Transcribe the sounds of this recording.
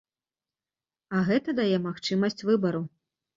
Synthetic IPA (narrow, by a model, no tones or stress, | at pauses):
ɐɣɛt̪ɐd̪ajɛmaxt͡ʂɨmɐsʲt͡sʲvɨbɐɾu